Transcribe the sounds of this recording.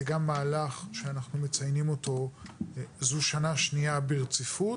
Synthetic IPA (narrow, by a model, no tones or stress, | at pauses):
eɡamːaːlaχʃeanaχnumet͡sajnimo̞to̞ | zuʃanaʃniabeʁt͡sifu